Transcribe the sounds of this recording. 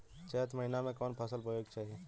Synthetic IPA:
t͡ʃɛɦət̪məɦɪnamẽkɔːnpʰɐsəlpəjoːɡt͡ʃaːɦie

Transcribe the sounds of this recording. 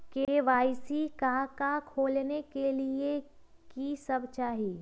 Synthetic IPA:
keʋaːɪsikakakʰoːlnekelie | kisɐbt͡ʃaːɦi

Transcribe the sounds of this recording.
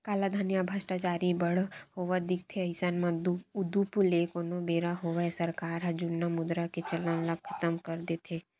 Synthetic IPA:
kaːlad̪ʱanijabʱasʈat͡ʃaːɾibəɽhoʋəd̪ɪk̚t̪ʰeɐɪsanmãdud̪upuleːkonobeːɾaɦoʋaesɐɾkaːɾɦɐd͡ʒunːamʊd̪ɾaket͡ʃɐlənlɐɡkʰɐ̥t̪əmkəɾd̪et̪ʰe

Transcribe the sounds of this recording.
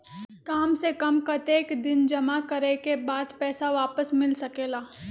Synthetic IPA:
kaːmsekɐmkɐt̪eːkd̪ɪnd͡ʒɐmakɐɾekebaːd̪pɛːsaʋaːpəsmɪlsɐkeːɡaː

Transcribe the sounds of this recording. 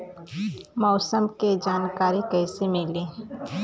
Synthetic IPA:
mɔːsəmked͡ʒaːnkaːɾikɛːsemɪlẽː

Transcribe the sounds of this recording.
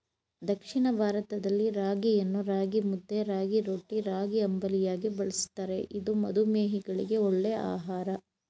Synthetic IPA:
d̪ɐkʂiɳɐbʱaːɾɐt̪ɐd̪ɐlːiɾaːɡijɐnːuɾaːɡimud̪ːeɾaːɡiɾoːʈːiɾaːɡiɐmbɐlijaːɡibɐɭisi̥t̪ːaɾe̞ʔid̪umɐ̰d̪umeːɦiɡɐɭḭɡe̞oɭːea̰ːɦaːɾɐ

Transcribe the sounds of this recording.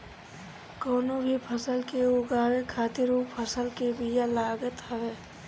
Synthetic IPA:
koːnobʱipʰəsəlkeoɡaːwekʰaːt̪ɪɾuːppʰəsəlkebijalaːɡət̪ɦəʋeː

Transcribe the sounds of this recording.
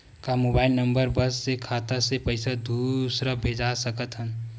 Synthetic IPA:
kamobaːɪlnəmbəɾbəsːekʰat̪asepəɪsad̪ʱusɾabʱed͡ʒasəkət̪ɦən

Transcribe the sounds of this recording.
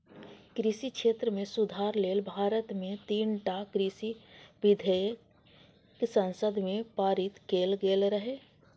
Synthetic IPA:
kɾisikʃeːt̪ɾəmẽsʊd̪ʱaːɾleːlbʱaːɾət̪mẽt̪iːnʈakɾisiʋɪd̪ʱəjə | ksə̃nsəd̪ʱmẽpaːɾɪt̪keːlɡeːlɾəɦeː

